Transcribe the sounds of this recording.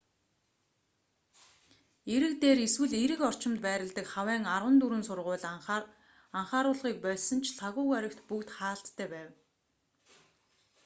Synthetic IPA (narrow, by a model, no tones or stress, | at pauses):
eɾɘ̆kt̪eːɾeswɘ̆ɮeɾɘ̆kɔr̥t͡ɕɪ̆mt̪pæːɾʲɪ̆ɮt̪ə̆kχawæːŋarʁə̆nt̪uɾɘ̆nsʊrʁʊːɮ | aɴχaːɾʊːɮʁiːk̚pœːɮsə̆nt͡ɕʰɬaɣʊːɣœɾʲɪ̆k̚t̪pukt̪χaːɬt̪ːʰæːpæːw